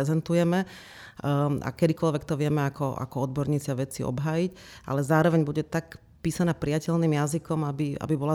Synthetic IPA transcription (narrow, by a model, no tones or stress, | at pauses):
ɛzɛnt̪ujɛmɛ | a̰kɛd̪ikɔlʋɛkt̪ɔʋɪɛmɛakɔʔa̰kɔɔd̪̚bɔɾɲiːt͡sɪaʋɛt͡siɔ̰bɦaːjicʔa̰lɛzaːɾɔʋɛɲbuɟɛt̪ak | piːsanaːpɾijacɛʎniːmjazikɔmabia̰bibɔla